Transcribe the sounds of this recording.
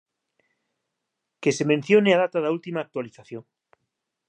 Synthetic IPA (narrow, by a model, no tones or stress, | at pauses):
kesemẽn̟θjoneað̞at̪aðault̪imaːk̚t̪waliθaθjoŋ